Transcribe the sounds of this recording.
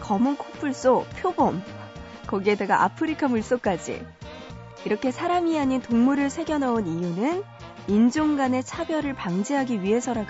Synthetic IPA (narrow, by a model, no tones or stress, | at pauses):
kʌmunkʰopʰuɭs͈opʰjobʌm | kʌɡiedeɡaʔa̰pʰɯɾikʰamuɭs͈ok͈ad͡ʑḭ | iɾʌkʰe̞sʰaɾamiaɲintoŋmuɾɯɭsʰe̞ɡjʌnɦaunijunɯn | ind͡ʑoŋɡane̞t͡ɕʰabjʌɾɯɭpaŋd͡ʑeɦaɡiɥiɦe̞sʰʌɾaɡ